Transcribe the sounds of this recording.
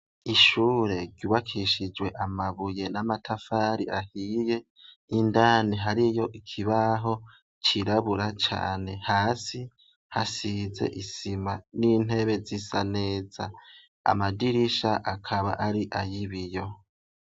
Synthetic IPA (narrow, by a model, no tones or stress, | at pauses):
iʃuːɾe̞ɾɟuːβakʰiʃid͡ʒwe̞ʔamaβuje̞namatʰafaɾiʔahije̞ | indaːniɦaɾijo̞ʔikʰiβaɦo̞ | t͡ʃiɾaβuɾat͡ʃa̰ːne̞haːsi | hasize̞̰ʔisimaniːn̥he̞βe̞zisane̞ːza | a̰madiɾiʃaʔakʰaβa̰ʔaɾiʔajiβijo̞